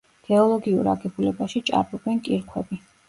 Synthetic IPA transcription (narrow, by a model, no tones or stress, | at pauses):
ɡ̥ɛɔlˠɔɡiṵɾa̰ɡɛbulɛbaʃit͡ʃʼa̰ɾbɔbɛnkʼiɾkʰwɛbi